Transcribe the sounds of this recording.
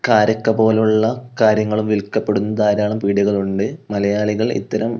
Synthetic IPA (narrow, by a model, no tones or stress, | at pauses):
kaːɾɐkːɐpo̞ːluɭːɐkaːɾjɐŋːɐɭumʋilkːɐpːe̞ɽunːɐðaːɾaːɭumpiːɽuɣɐɭuɳɖɨmɐlɐjaːɭiɣɐɭḭt̪ːɐɾɐm